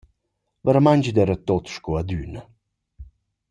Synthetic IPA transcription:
vəɾamaɲd͡ʒid̪ɛɾət̪ot̪ʃkɔad̪ynə

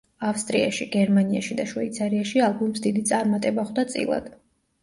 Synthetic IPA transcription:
afst̪ʼɾiaʃiɡɛɾmaniaʃid̪aʃvɛ̰it̪sʰaɾiaʃialˠbumsd̪id̪it̪sʼaɾmat̪ʼɛbaχd̪at̪sʼḭlˠa̰d̪̥

